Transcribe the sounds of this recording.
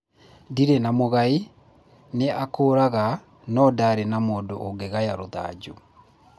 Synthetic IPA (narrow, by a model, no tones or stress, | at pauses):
diɾenamoɣai | neakoːɾaɣa | nɔdaɾenamoːndoʔoŋɡeɣajaɾoða̰ːd͡ʑu